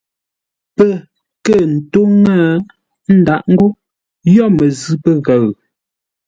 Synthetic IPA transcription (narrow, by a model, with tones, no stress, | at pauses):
pə˦˨ | kə˦˨n̩˨to˦ŋə˦˨ | n̩˦da˨ʔŋ̩˦ɡo˦ | jɔ˦˨mə˨zʉ˦pə˦ɣə˨ɰ